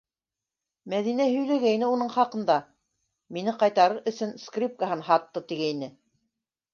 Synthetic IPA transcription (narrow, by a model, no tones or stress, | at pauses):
mæðinæhɵ̆jlæɡæjnɘunɤɴχɑqɤ̆nd̪ɑ | minɘqɑjt̪ɑɾɤɾʔɵ̆sɵnskrʲip̚kaɦɤnɦɑt̪ːɤt̪iɡæjnɘ